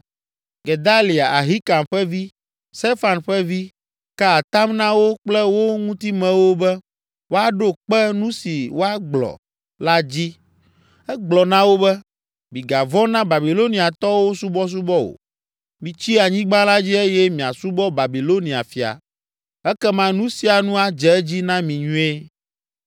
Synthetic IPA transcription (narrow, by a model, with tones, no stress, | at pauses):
ɡe˨d̪a˦li˨a˨ʔa˨ɦi˦ka˨mɸɛ˦vi˦ | st̪e˦fa˨nɸɛ˦vi˦ | kɛ˦a˨t̪a˦mnã˦wo˦k͡plɛ˦wo˦ŋũ˦t̪i˦mɛ̃˨wo˦bɛ˦ | wo˦a˨ɖo˦k͡pɛ˦nũ˦si˨wo˦a˦ɡ͡blɔ̰˨ | la˦d͡ʑi˦ | ɛ˦ɡ͡blɔ˨nã˦wo˦bɛ˦ | mĩ˨ɡa˨vɔ˦nã˦ba˨bi˨lo˦nĩ˦a˨t̪ɔ˦wo˦su˦bɔ˦s̬u˦bɔ˦o̰˨ | mĩ˨t͡ɕi˦a˨ɲĩ˦ɡ͡ba˦la˦d͡ʑi˦e˦jɛ˦mĩ˨a̰˨su˦bɔ˦ba˨bi˨lo˦nĩ˨a̰˨fi˨a̰˨ | ɛ˦kɛ˦mã˦nũ˦si˨˦a˨nũ˦a˨d͡ʒɛ˨ɛ˦d͡ʑi˦nã˦mĩ˨ɲũ˦e˦